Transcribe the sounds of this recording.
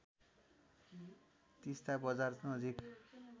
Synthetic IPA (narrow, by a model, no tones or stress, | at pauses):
t̪ist̪abʌd͡zarsnʌd͡zik